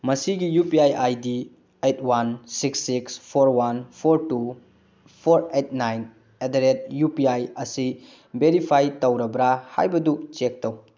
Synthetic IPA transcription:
mɐsiɡijupiajajdi | etʰwansiksːikspʰoɾwanpʰoɾtu | pʰoɾet̚ʰnajn | edɐɾet̚jupiajɐsi | beɾipʰajtowɾɐbɾaha̰jbɐdut͡ʃek̚tow

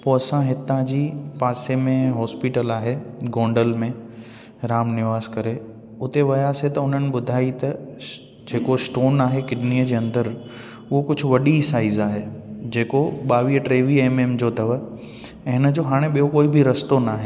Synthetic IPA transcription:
poːɐsãɦɪt̪ãd͡ʑiːpaːsemẽɦɔːspiʈəlaːɦeɡõːɳɖəlmẽ | ɾaːmnɪʋaːzkɐɾe | ʊt̪eʋɐjaːset̪ɐʊn̤ənɪ̆ɓʊd̪ʱaːit̪ɐ | d͡ʑeːkosʈoːnaːɦekɪɗniːəd͡ʑeːɐ̃nd̪əɾ | ʊɦokʊd͡ʑʱʊ̆ʋɐɗisaːizaːɦed͡ʑeːkoɓaːʋiəʈɾeːʋieːmeːmd͡ʑoːt̪ɐʋə | ɦɪnəd͡ʑoːɦaːɽ̃ẽɓijokoːibʱɪɾɐst̪onaːɦe

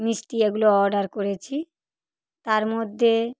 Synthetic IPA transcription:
misʈieɡuloɔɖaɾkoɾet͡ɕʰi | t̪aɾmod̪ʱːe

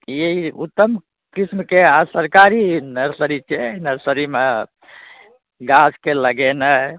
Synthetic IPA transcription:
eiut̪ːəm | kismkeasəɾkaɾinəɾsəɾit͡ʃʰɛnəɾsəɾime | ɡaskeləɡenə

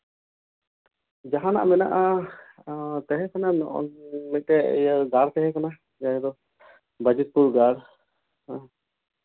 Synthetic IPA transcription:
d͡ʒaɦãna̰ʔmɛnaʔa | t̪ɛɦɛ̃kanan̰ʔmɛʈɛ̰jaɡaɾt̪ɛɦɛ̃kana | d͡ʒaɦɛd̪ɔ | bəd͡ʒɛt̪̚puɾɡaɽ

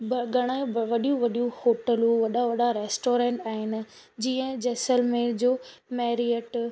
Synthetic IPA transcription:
bɡʱɐɽ̃aẽʋɐɗijũʋɐɗijũhoːʈəlũʋɐɗaʋɐɗaɾeːsʈoːɾẽːɳʈaːɦɪnɪ̆ | d͡ʑiːə̃d͡ʑeːsəlmẽd͡ʑoːmɛːɾiəʈ

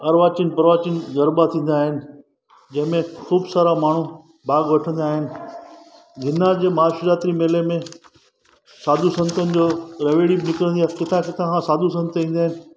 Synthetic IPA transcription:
ɐɾʋaːt͡ɕinpɐɾʋaːt͡ɕin̆ɡɐɾbat̪ʰĩːn̆d̪aːɦɪnɪ̆ | d͡ʑɐ̃ɦɪ̃mẽxuːbsaːɾamaːɳ̤u | bʱaːɡʋɐʈʰə̃nd̪aːɦɪnɪ̆ | ɡʱɪnad͡ʑeːmaːʃuɾaːt̪ɾimeːlemẽ | saːd̪ʱusɐ̃nt̪ʰənɪ̆d͡ʑoːɾeʋeːɽibnɪkɾə̃nd̪iakɪt̪ʰãkɪt̪ʰããsaːd̪ʱus̬ɐ̃nt̪ʰĩːn̆d̪aːɦɪnɪ

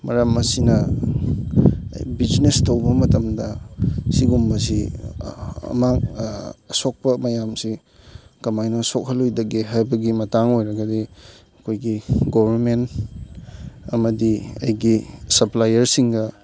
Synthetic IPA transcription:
mɐɾɐmɐsinɐ | bid͡ʒnestɐwbɐmɐtɐmdɐsiɡumbɐs̬i | ɐ̰makɐsok̚pɐmɐjamsi | kɐmajnɐsok̚hɐlujdɐɡeɦajbɐɡimɐtaŋojɾɐɡɐdi | ɐkʰojɡiɡobʱɐɾment | ɐmɐdiɐ̰jɡisɐplajɐɾsiŋɡɐ

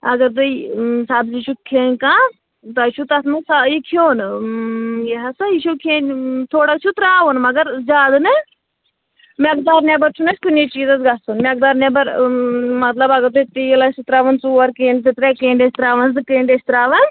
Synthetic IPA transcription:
ɐɡɐɾt̪uisaːbziʃukʰeːnʲkãː | t̪ɐʃut̪ɐt̪mɐsajikʰjoːn | jeɦɐsɐjiʃukʰeːnʲt̪ʰoːɽɐk̚t͡ʃʰut̪ɾaːʋɐnmɐɡɐɾd͡ʒaːd̪nɨ | mʲɐk̚d̪aːɾnʲebɐɾt͡ʃʰunɐsʲkunit͡ʃiːzɐsɡasunmʲɐk̚d̪aːɾnebɐɾmɐt̪lɐbɐɡɐɾd̪ut̪ijlɐsit̪ɾaːʋɐnsuːʋɐɾkẽːnɖsit̪ɾekeːɳɖesʲt̪ɾaːʋɐnsɨkeːɳɖesʲt̪ɾaːʋɐn

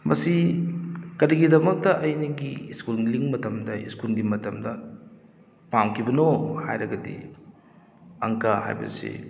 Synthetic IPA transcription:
mɐsi | kɐɾiɡidɐmɐk̚tɐʔɐjnɐɡiskulliŋmɐtɐmdɐḭskulɡimɐtɐmdɐ | pamkʰibɐnoha̰jɾɐɡɐdḭ | ɐ̰ŋkaha̰jbɐ̰sḭ

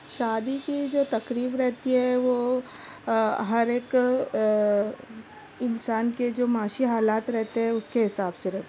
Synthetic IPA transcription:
ʃaːd̪ikid͡ʒoːt̪ɐkɾiːbɾɛɦt̪iɦɛʋoː | ɦɐɾeːk | ɪnsaːnked͡ʒoːmaːʃiɦaːlaːt̪ɾɛɦt̪eɦɛ̃ʊskeɦɪsaːbseɾɛɦt̪ee

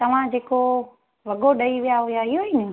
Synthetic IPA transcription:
t̪ɐʋ̤ãd͡ʑeːko | ʋɐɡoɗɐiʋijaɦʊjaɪɦoinɪ

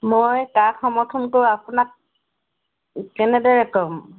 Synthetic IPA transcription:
mojkakʰɔmɔtʰunkowapunak̚ | kɛnɛdɔɹɛkɔm

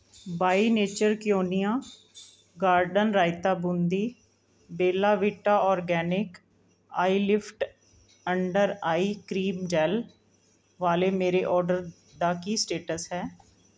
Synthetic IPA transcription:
baːiːneːt͡ʃəɾkɪjoːnijãː | ɡaːɾɖənɾaːɪt̪aːbʊnd̪iː | beːlaːʋɪʈaːɔːɾɡɛːnɪk | aːiːlɪpʰʈ | əɳɖəɾaːiːkɾiːmd͡ʒɛːl | ʋaːleːmeːɾeːʔɔːɾɖəɾ | d̪aːkiːsʈeːʈəsɦɛː

